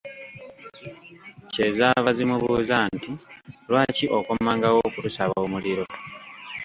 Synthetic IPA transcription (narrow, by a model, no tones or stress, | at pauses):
ce̞ːzaβazimuβuːzantilwaːciʔo̞komaːŋɡawokutusaβoːmuliɾo̞